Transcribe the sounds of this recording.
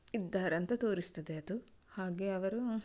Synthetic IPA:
id̪ːaːɾɐnt̪ɐt̪o̞ːɾist̪ɐd̪eɐd̪u | haːɡeːɐʋɐɾu

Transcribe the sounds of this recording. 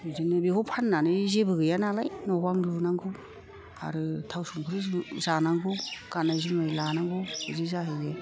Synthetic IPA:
ɯzinɯbihɔpʰanːanɯzebɯɡɯjanalajnɔbaŋduɾunaŋɡɯ | a̰ɾɯtʰawsuŋkʰɯɾɯzzanaŋɡɯwɡ̥anajzɯmajlanaŋɡɯhɯzizaɦɯe

